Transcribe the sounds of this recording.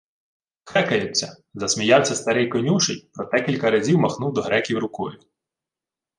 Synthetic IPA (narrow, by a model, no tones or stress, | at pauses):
xɛkɐjʊt͡sʲːɐ | zɐsmʲijɑwsʲɐst̪ɐɾɪjkɔnʲuʃɪjpɾɔt̪ɛkʲilʲkɐɾɐzʲiwmɐxnuwd̪ɔɦɾɛkʲiwɾʊkɔjʊ